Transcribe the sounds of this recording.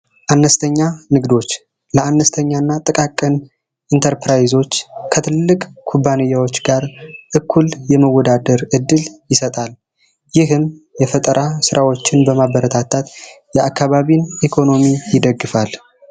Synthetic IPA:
ʔanːəst̪ʰəɲːanɨɡd̪o̞t͡ʃː | ləanːəst̪ʰəɲːanːat̪ʼɨkʼakʼːɨn | ʔint̪ʰəɾpɾajzo̞t͡ʃːkʰət̪ʰɨllːɨkʼkʰubːanejːawo̞t͡ʃːɡaɾʔɨkʰːuljɛməwːɔd̪ad̪əɾɨd̪ːɨljɪsət̪ʼal | jɪɦɨmjɛfət̪ʼəɾʔasɨɾʔawo̞t͡ʃːɪnbəmabəɾət̪ʰat̪ʰat̪ | jɛʔakːaβaβinʔikʰo̞no̞mijɪd̪əɡːɨfal

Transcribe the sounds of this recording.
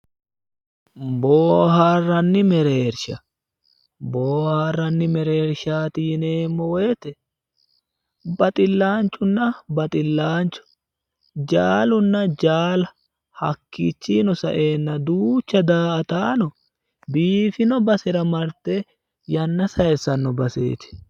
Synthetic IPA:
boːhaːrːɐnːɪmɛɾeːɾʃɐ | boːhaːrːɐnːɪmɛɾeːɾʃaːt̪ineːmːɔweːt̪ɛ | bɐt̪ʼɪlːaːnt͡ʃʼːʊnːɐbɐt̪ʼɪlːaːnt͡ʃːʊ̥ | d͡ʒaːlʊnːɐd͡ʒaːlɐ | hɐkːit͡ʃːinɔsɐ̰ʔe̞ːnːɐd̪uːt͡ʃːɐd̪aːʔɐt̪aːnɔ | biːfɪnɔbɐsɛɾɐmɐɾt̪e | jɐnːɐsɐjɛsɐnːɔbɐsḛːt̪ɛ̥

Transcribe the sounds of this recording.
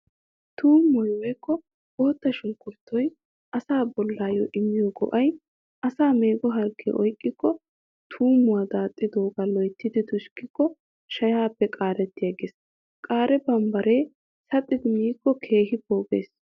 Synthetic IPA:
t̪ʰuːmːɔjwɛjkːɔ | oːt̪ːɐʃʊŋkːʊɾt̪ʰːɔj | ʔɐsaːbɔlːaːjɔ̰ʔɪmːɪjɔɡɔ̰ʔɐj | ʔɐsaːme̞ːɡɔɦɐlkʰːɛ̰ʔɔjkʼːɪkːɔ | t̪ʰuːmːʊwad̪aːt̪ʼːɪd̪oːɡalɔjt̪ːɪd̪ɪt̪ʊʃkːɪkːɔ | ʃɐjaːpːɛkʼaːɾɛt̪ːɪjɐɡeːs | kʼaːɾɛbɐmbɐɾeː | sɐt̪ʼːɪd̪ɪmiːkːɔkʰe̞ːɦɪbo̞ːɡḛːs

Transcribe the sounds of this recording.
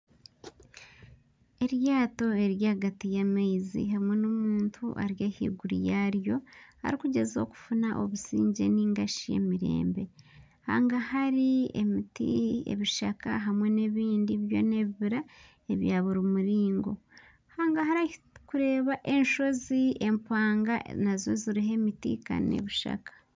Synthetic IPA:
e̞ɾjaːto̞e̞ɾjaːɡatijamaizḭɦamwe̞nomuːntʰuʔa̰ɾjahḭːɡuɾḭjaɾjo̞ha̰ɾikuɟe̞zo̞̰ku̥funaʔo̰βusiːɲɟe̞̰niŋɡaʃijḛmiɾe̞̰ːmbe̞ | ha̰ːŋɡahaɾiḛmitḭḛβiʃakaɦamwe̞ne̞βiːndiβjo̞̰ne̞βiβiɾa | eβjaːβuɾumuɾiːŋɡo̞̰ | haːŋɡaɦaɾakuɾe̞ːβaʔe̞nʃo̞zie̞mpaːŋɡanazo̞ziɾiɦe̞mitḭka̰ne̞̰βiʃa̰kḁ

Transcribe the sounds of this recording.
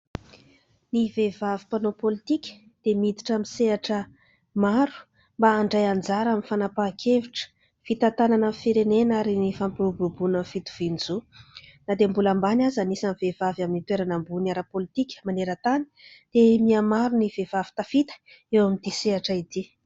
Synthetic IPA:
nivevavipanopolit̪ikʲə̥ | d̪̥emid̪i̥ʈ͡ʂamiseaʈ͡ʂə | maɾu̥ | mbaːɳɖ͡ʐajand͡zaɾaminfanapakʰeviʈ͡ʂə̥ | fit̪at̪ananəfiɾenenaɾinifampiɾububunənfit̪u̥v̥ind͡zunad̪embulambanʲazanisanivev̥avaminit̪eɾanambunaɾapolit̪ikʲə̥maneɾət̪ani̥d̪̥emiamaɾunivevavi̥t̪afit̪ə̥ | ewamind̪iseaʈ͡ʂaid̪i

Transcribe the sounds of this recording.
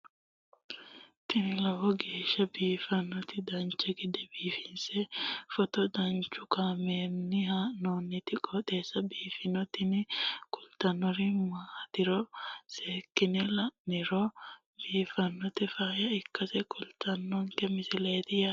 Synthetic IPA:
t̪ɪnɪlɐwɔɡeːʃːɐbiːfɐnːɔt̪ɪd̪ɐnt͡ʃːɛɡɪd̪ɛbiːfɪnsɛfɔt̪ɔd̪ɐnt͡ʃːʊkaːmeːnːɪɦanoːnːɪt̪ɪkʼɔᶑ̪eːsːɐbiːfɪnɔt̪ɪnɪkʼʊlt̪ɐnːɔɾɪmaːt̪ɪɾɔseːkːɪnɛlɐnɪɾɔ | biːfɐnːɔt̪ɪfaːjɐɪkːɐsɛkʼʊlt̪ʰɐnːɔŋkɛmɪsɪleːt̪ɪja

